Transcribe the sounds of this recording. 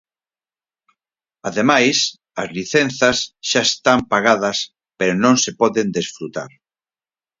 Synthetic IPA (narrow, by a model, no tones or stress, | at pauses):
aðemajs | ɐzliθen̟θɐsʃaest̪ampaɣaðɐs | peɾonõŋsepɔðend̪esfɾut̪a̰ɾ